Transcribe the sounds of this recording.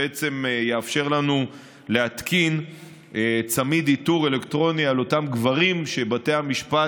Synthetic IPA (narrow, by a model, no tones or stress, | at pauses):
et͡se̞mjeafʃe̞ʁlanu | leatkin | et͡samid̪ituʁe̞le̞ktʁo̞nialo̞tamɡvaʁimʃe̞bate̞hamiʃpa